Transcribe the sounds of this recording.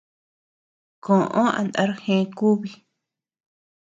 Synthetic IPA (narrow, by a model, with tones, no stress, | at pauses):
kõ˨ʔõ˦ã̰˨˧na˧ɾhẽ˧ku˦βi˧